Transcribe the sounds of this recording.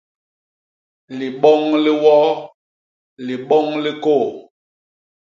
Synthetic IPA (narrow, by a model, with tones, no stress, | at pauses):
li˨ɓɔ˦ŋli˦wɔ˦ | li˨ɓɔ˦ŋli˦koː˦˨